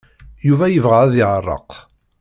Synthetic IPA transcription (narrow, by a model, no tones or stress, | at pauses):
juvæjəvʁaʕæðɪʕərˤːɑ̰q